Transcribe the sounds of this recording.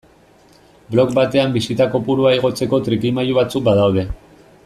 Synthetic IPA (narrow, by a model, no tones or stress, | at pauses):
blo̞kbat̪e̞ambisit̪ako̞puɾuaeɣ̞o̞t͡se̞ko̞t̪ɾikimajuβat͡suk̚baðawð̞e̞